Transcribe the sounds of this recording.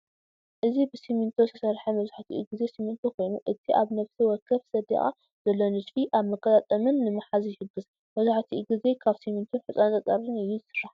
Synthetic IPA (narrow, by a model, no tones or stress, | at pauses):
ʔɨzibɨsimint̪ʰosʰɐ̥sɐɾħɐmɐβzaħt̪ʰḭʔṵɡɨze̞simint̪ʰokʰo̞jnuʔɨt̪ʰiʔaβnɐfsiwɔkʰːɐβsɐd̪ḭχʼa̰ | z̥ɐlːonɨd̪fiʔaβmɐkʰʼːɐt̪ʼat̪ʼɐmɨnːɨmɨħazjɪhɨɡːɨs | mɐβzaħt̪ʰiʔuɡize̞kʰaβsimint̪ʰoħɨsʼant̪ʼɐt̪ʼɐɾɨnɨjːuzɨsɨrːaħ